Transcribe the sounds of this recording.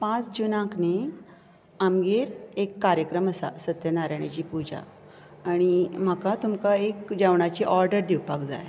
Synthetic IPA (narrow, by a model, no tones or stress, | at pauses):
pãt͡sd͡ʑunãkne | amɡeɾekːaɾjəkɾəməsa̰sət̪jənaɾaɳ̃at͡ɕiːpud͡ʑa̰ː | ɽ̃im̤əkat̪umkaekd͡ʑaʋɳ̃at͡ɕiʔɔɾɖəɾd̪iwpakd͡za̰j